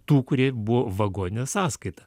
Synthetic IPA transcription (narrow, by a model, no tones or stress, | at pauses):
t̪uːkʊɾʲiɛbʊʋoːʋɐɡoːnʲnʲɛsɑːskɐɪt̪ɐ